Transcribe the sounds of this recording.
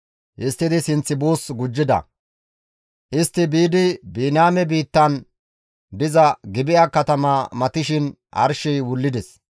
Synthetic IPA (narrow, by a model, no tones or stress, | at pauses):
ʔɪst̪ːɪd̪ɪsɪnt͡sːɪbuːsɡʊd͡ʒːɪd̪ɐ̰ | ʔɪst̪ːɪbiːd̪ɪbiːnaːmɛbiːt̪ːɐn | d̪ɪzɐɡɪbɪʔɐkɐt̪ɐmaːmɐt̪ɪʃɪn | ʔɐ̰ɾʃɪjwʊlːɪd̪ɛs